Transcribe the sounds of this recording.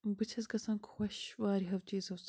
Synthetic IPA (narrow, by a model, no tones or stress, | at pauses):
bɨt͡ʃʰɐzkʰɐsaːnkʰu̥xʷwɐʃwaːɾiɦɐwt͡ʃiːzɐws